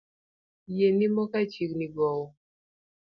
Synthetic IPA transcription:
jenimɔkat͡ʃikniɡɔwɔ

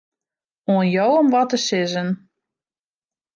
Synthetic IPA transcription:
oənjowomʋɔtəsɪzən

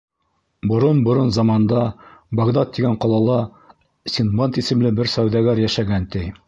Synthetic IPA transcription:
bŏɾɤnbŏɾɤnzɑmɑnd̪ɑbɐɡd̪ɑt̪ːiɡæɴqɒlˠɑlˠɑ | sʲinmɑnt̪isɘ̆mlɘbɘɾsæwðæɡæɾjæʃæɡænt̪ɘj

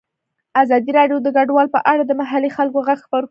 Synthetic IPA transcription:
azɑd̪iɾɑɖjod̪əɡaɖwɑlpə̰ʔaɽad̪əmaɦalixalkoɣaɡxpaɾ

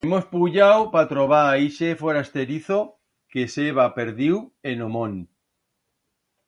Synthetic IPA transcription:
mospuʎawpat̪ɾoβ̞aaiʃefoɾast̪eɾiθo | keseβapeɾðiwenomõn

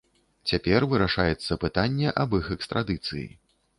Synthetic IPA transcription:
t͡sʲapʲɛrvɨɾaʂajɛt̪sːɐpɨt̪anʲːɛʔɐbixɛkst̪ɾad̪ɨt̪sɨ̰jḭ

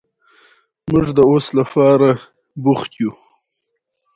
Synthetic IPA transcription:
mʊʐd̪əoslapɑɾa | bʊxt̪ju

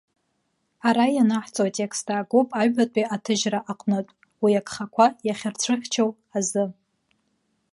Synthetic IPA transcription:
aɾajanaħt͡sʼowatʼe̞kʰstʰaːɡopʼaɥatʷʼiatʰɨʒraʔaqʼnɨtʷʼ | wiakχakʷʰajaχʲɪrt͡sʷʰɨχʲt͡ʃʰow | azɨ

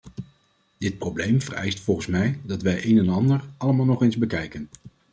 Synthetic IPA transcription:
d̥ɪt̚prowblejmvərɛ̰jstfɔlˠχənsmɛjdɑtʋɛjʔejnɛnɑndəɹɑləmaːlˠnɔχenzbəkɛjkən

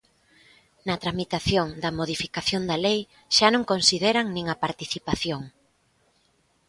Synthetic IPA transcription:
nɐt̪ɾamit̪aθjoŋd̪ɐmoð̞ifikaθjond̪ɐlej | ʃanõŋkonsiðeɾɐŋnĩŋɐpaɾt̪iθipaθjoŋ

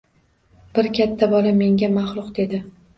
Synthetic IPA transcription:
b̥ɪɾkʲʰat̪ʰːabɒlame̞ŋɡʲamaχlˠʊqd̪e̞d̪ɪ

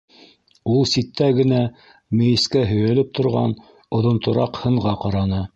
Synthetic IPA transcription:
ulˠsit̪ːæɡɘ̆næ | mɘ̆jɘ̆skæɦɵ̆jæ̆lɘp̚t̪ʰŏɾʁɑ̰n | ŏðŏnt̪ŏɾɑqhɤ̆ɴʁɑqɑɾɑnɤ

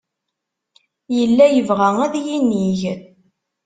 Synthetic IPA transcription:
jəlːæjəvʁææðjiniʝ

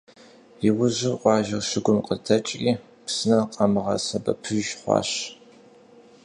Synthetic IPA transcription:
jiwʊʑɪrʔʷʼɑːʒɪrʃɪɡʷʊmqʼətʰɐt͡ʃʼiː | psɨnɐqʼɐmɨʁɐ̰sɐbɐ̰pʰɨʒχʷɑ̰ːɕ

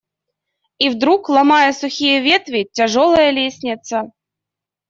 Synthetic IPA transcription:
ivd̪ɾuklˠamɑjəsʊxʲijəvʲet̪vʲɪtʲaʐolˠəjəlʲesʲnʲɪt̪sə

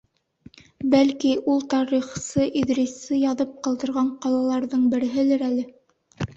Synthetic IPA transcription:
bælkiʔulˠt̪ɑɾiχsɤʔiðɾʲisːɘjɑðɤp̚qɤ̆lˠd̪ɤ̆ɾʁɑɴqɑlˠɑlˠɑɾðɤɴbɘ̆ɾɘ̆ɦɘ̆lɘɾælɘ

